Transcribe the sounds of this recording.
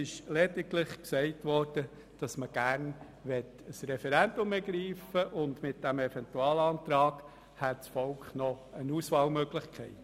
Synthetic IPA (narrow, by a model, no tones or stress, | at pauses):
ɪʃlɛdɪklɪχksɛɪtʋɔɾd̥ə | d̥ɑsməɡ̥æɾn | ʋɛt | əsrɛfɛɾændʊmɛɡɾiːfəʔʊndmɪt̚d̥æmɛfɛntuɑːlɑːnt̪ɾɑːɡ̥ | hætsfɔlkχnɔənuːsʋɑːlmøːɡlɪχkχɛɪt